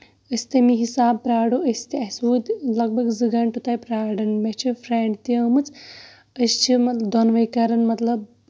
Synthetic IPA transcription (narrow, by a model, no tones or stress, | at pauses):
əsʲt̪emiɦisaːbpɾaːɽoʔəst̪eɐsʋuːd̪lɐɡ̚bʱɐɡzɨɡɐɳʈut̪aːjpɾaːɽɐnmet͡ʃʰifʰɾeɳɖt̪ijəːmɨt͡s | əst͡ʃʰimɐt̪lɐd̪ɔnʋɐjkɐɾɐnmɐt̪lɐb